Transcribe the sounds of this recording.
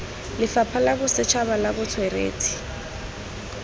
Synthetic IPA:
lɪfapʰalakʊsɪt͡ʃʰaβalakʊt͡sʰwɛrḛːtʰi̥

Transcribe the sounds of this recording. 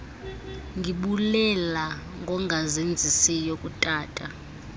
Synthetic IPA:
ŋɡʱiɓulɛla | ŋɡʱɔŋɡʱazend͡zʱisijokʼutʼaːtʼa

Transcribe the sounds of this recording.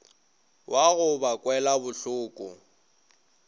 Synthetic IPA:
wʔaɣʊbakʼwɛlabʊɬʊːkʼʊ

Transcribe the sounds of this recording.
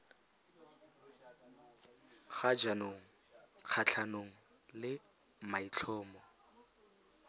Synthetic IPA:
χad͡ʒanoŋ̩ | q͡χʰat͡ɬʰanoŋ̩ | lɪ | mait͡ɬʰɔːmɔ

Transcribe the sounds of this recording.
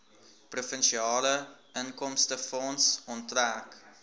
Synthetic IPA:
prufənʃiɑːlə | əŋkɔmstəfɔnsɔntræk

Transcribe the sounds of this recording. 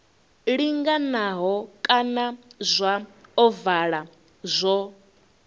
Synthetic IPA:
ɺiŋɡanaɦɔkʼanazʷaɔvaɺa | zʷɔ

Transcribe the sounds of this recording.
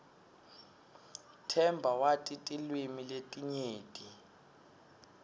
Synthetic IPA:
tʰɛmbʱawatʼitʼilwimiletʼiɲeːtʼi

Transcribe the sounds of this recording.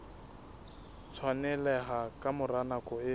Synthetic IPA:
t͡sʰwanɛlɛɦakʼamʊranakʼɔɪ

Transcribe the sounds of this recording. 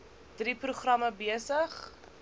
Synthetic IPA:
d̥ripruχrɐməbiəsəχ

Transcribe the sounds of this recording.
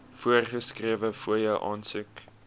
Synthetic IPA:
fuərχəskriəvəfuəjəwʔɑːnsʉk

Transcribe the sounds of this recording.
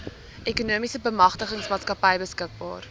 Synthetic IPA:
ʔekunuəmisəbəmɐχtəχəŋsmɑːtskɐpəjbəskək̚bɑ̰ːr

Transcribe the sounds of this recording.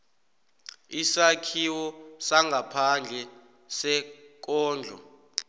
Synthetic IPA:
isakʰiwɔsaŋɡʱapʰand͡ɮʱɛ | sɛk̬ɔːnd͡ɮʱɔ̰

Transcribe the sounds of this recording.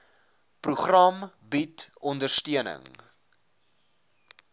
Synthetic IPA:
pruχrɐm | bitɔndərstiənə̰ŋ

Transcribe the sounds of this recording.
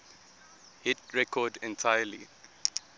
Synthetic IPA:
hɪtɹɛkʰɔdɛ̃ntʰajəli

